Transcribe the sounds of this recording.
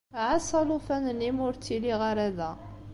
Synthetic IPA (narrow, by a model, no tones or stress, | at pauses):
ʕasˤɑlʊfænənimʊɾt͡sːiliʁaɾæðæ